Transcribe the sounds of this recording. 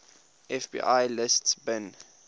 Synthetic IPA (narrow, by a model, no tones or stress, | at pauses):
ʔɛfbḭːʔajlɪstbɛ̃n